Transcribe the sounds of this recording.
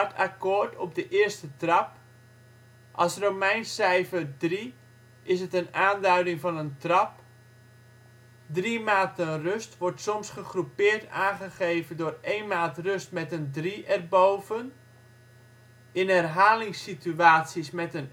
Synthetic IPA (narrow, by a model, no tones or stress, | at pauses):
tʰakoːrtʰɔp̚dəʔɪərstətrɑp | ʔɑsromɛjnsɛjfərdri | ɪsətənaːndœɥdɪŋfɑnəntrɑp | drimaːtənrøstʋɔrtsɔmsχəχrupɪːrtaːχəχejvəndʊːrejnmaːtrøstmɛtəndriʔɛrbowvən | ɪnɛrɦaːlɪŋsityaːtsismɛtən